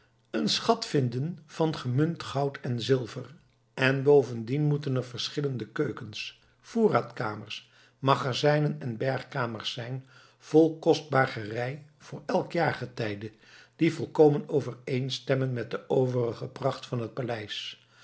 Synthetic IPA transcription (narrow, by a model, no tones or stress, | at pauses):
ənsχɑtfɪndənv̥ɑnχəmɵntχɑwtʰɛnzɪlˠvər | ʔɛnbowvəndinmutənɛɹvəɹsχɪləndəkøɥkəns | v̥uːraːtkaːməɹs | mɑχazɛjnənɛnbɛɹχkaːməɹsːɛjn | v̥ɔlˠkɔsd̚baːχərɛj | v̥ʊːɹɛlˠkjaːɹχətɛjdə | d̥ivɔlˠkowmənowvərejnstɛmənmɛt̚dəʔowvərəχəprɑχtfɑnɦət̚palɛjs